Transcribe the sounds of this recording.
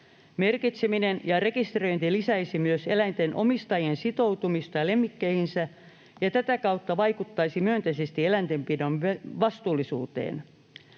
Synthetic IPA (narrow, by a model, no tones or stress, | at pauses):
me̞rkit̪seminenjɑre̞kist̪ro̞jnt̪ilisæisimyøselæint̪enʔo̞mist̪ɑjiensit̪o̞wt̪umist̪ɑlemːikːeihinsæ | jɑt̪æt̪ækɑwt̪ːɑʋɑikut̪ːɑisimyønt̪eisest̪ielænt̪e̞mpidoneʋɑst̪uːlːˑisṵːt̪ḛːn